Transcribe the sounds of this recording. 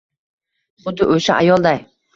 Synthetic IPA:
χʊd̪ːɪʔoʃaʔajɒlˠd̪aj

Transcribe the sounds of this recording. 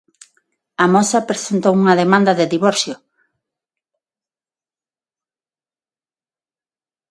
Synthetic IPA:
ɐmɔsɐpɾesent̪owuŋɐðemãnd̪ɐðeðiβɔɾθjʊ

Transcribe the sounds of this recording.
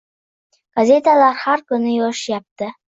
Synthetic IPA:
ɡ̥azʲet̪alaɾhaɾkɵnɪjɒʃjɑp̚t̪ə

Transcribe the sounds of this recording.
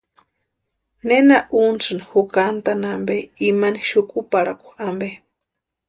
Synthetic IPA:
nenaʔunt͡sɨnihukant̪anambeimaniʃukʼupaɽakʷu̥ambe

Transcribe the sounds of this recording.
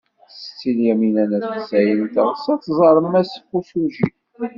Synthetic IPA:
st͡sːiljæminænæssæjənt̪əʁsæt͡sːzˤɑɾˤəmːæsə̥fusuʒi

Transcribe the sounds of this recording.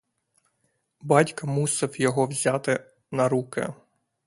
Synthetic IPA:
bɑtʲkɐmusɪwjɔɦɔwzʲat̪ɪ | nɐɾukɪ̰

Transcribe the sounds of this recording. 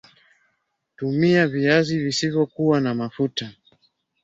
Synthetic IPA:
tumiaviazivisivjɔkuwanamafuta

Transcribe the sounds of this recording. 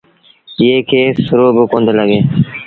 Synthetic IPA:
jeːkʰeːsʊɾoːbʊkõːnd̪ləɡeː

